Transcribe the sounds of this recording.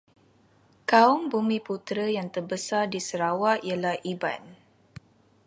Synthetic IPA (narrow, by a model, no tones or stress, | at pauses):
kaɔŋbumĩput̪ɾəjaŋt̪ərbəsardisəɾawaʔijəlahʔiba̰n